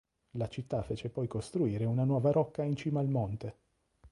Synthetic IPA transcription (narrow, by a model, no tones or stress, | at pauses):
lat͡ʃit̪ːafeːt͡ʃepɔjkost̪ɾuiːɾeunanwɔːvaɾɔkːaint͡ʃiːmaːlmont̪e